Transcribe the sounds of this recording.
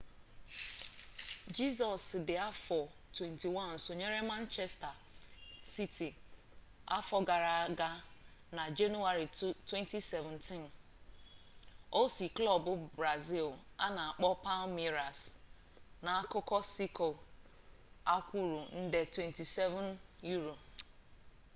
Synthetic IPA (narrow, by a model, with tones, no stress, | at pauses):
d͡ʒi˦s̬ɔ˨sdɪ˨a˦fɔ˨ | twe˨nti˨wã˦nn̩˨sʊ˨ɲe˦ɾe˦mã˦n˦t͡ʃe˦sta˨ | si˦tʰi˨ | a̰˦fɔ˦ɡa˨ɾa˨˦ɡa˦na˨d͡ʒe˦nu˦a˨ɾi˨twẽ˦nti˦se˨vʊ̃˨ntʰĩ˦n | o˦si˨klɔ˦bʊ˦bɾa˨zi˦˨la˦na˨a˨k͡pɔ˦pa˦lmi˦ɾa˨s | na˨a˦kʊ˦kɔ˦si˦ko˨ | a˦kʷu˦ɾu˨n̩˦de˨twe˨nti˨sɛ˦vʊ̃˦nju˦ɾo˨